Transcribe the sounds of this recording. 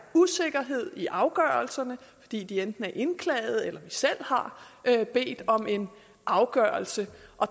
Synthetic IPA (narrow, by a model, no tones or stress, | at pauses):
use̝ɡ̥ɐɦe̝ð̞̰ˠiʔɑ̈ʊɡ̥ɶɐlsɐnəfɒ̽d̥ḭːd̥iend̥n̩æɐʔe̝nkʰlɛ̰ːɪð̞̩ˠelɐʋisel̰hɑ̈b̥e̝̰ːd̥ɒ̽me̝n | ʔɑ̈ʊɡ̥ɶɐlsəʔɒ̽